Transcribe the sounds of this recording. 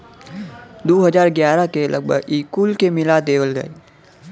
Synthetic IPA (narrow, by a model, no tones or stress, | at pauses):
d̪oːɦəd͡ʒaːɾɡjaːɾakelʔə̰ɡ̚bʱə̰ɡiːkuːlkemɪlad̪eːʋəlɡə̰eː